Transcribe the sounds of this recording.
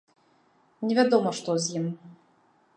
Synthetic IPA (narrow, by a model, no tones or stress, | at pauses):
nʲɛvʲad̪ɔmɔʂt̪ɔzjim